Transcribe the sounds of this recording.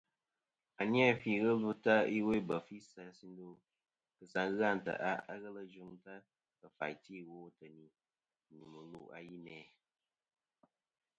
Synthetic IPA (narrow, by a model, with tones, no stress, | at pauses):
a˨ni˦ɛ˦fi˨ɣə˦lu˦ta˦i˦we˦bə˨fi˦sa˨si˦n˦do˦ | kɨ˨sa˨ŋɣa˦˨n˨tə̰˨ʔa˦a̰˦ɣə˦lə˦d͡ʒu˦ŋta˦ | kə˨fa̰˨jti˦˨woː˦tə˨ni˨ | ɲu˨mə˨lṵ˦a̰˦ji˦nɛː˨˦